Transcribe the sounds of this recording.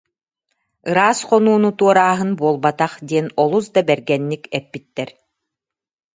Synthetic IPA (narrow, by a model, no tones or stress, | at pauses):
ɯɾaːsqɔnuːnut̪uɔɾaːɦɯnbuɔlˠbat̪aχd̪iɛnɔlˠusd̪abɛɾɡɛnːikɛpːit̪ːɛɾ